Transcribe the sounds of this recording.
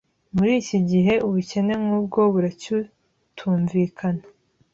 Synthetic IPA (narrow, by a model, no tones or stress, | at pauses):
muɾiːciɟiɦe̞uβuce̞ne̞mŋuːb̚ɡo̞βuɾacu | tʰuːɱviːkʰana